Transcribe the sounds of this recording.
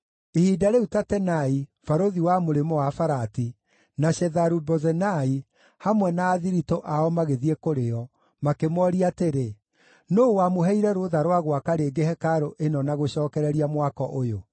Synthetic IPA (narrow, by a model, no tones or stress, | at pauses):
ehidaɾɛutatɛnaifaɾoðiwamoɾemɔwafaɾati | naɕɛðaɾubɔzɛnai | hamwɛnaːðiɾitoʔaɔmaɣeðiɛkoɾeɔ | makemɔɾiateɾe | nowamoɦɛiɾɛɾoðaɾwaɣwakaɾeːɡehɛkaɾoʔenɔnaɣoɕɔːkɛɾɛɾiamwakɔʔojo